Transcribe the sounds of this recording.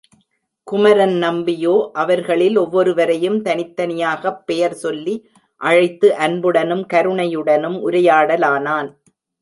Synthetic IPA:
kʊmɐɾɐnnɐmbɪjoːʔɐʋɐɾɣɐɭɪlɔʋːɔɾɯʋɐɾɐjɯmt̪ɐnɪt̪ːɐnɪjaːɣɐpːɛjɐɾsɔlːi | ʔɐɻɐɪt̪ːɯʔɐnbɯɽɐnɯmkɐɾɯɳɐjɯɽɐnɯmʔʊɾɐjaːɽɐlaːnaːn

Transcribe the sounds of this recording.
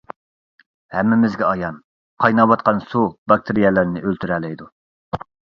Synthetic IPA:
hɛmːɪmɪzɡʲɛɑjɑn | qʰɑjnɑwɑt̪̚qɑnsubɑk̚t̪ʰɪɾijɛlɪɾnɪʔølt̪ʰyɾɛlɛjd̪u

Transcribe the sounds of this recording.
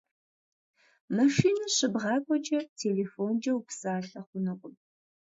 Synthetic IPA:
mɐʃiːnɐʂɨbʁɑːkʷʼɔd͡ʒɐtʰeːleːfoːnd͡ʒɐwpsaːɬɐχʷʊnɨqʷʼʊm

